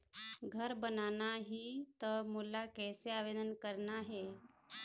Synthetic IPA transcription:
ɡʱəɾbənanaɦiːt̪əmulakɛseaʋed̪ənkəɾnaɦe

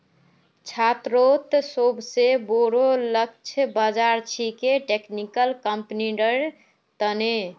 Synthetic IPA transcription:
t͡ʃʰat̪ɾot̪sobʱseboɾolək̚t͡ʃʰəbəd͡ʒaɾt͡ʃʰikeʈeknikəlkəmpniɖəɾ | t̪əne

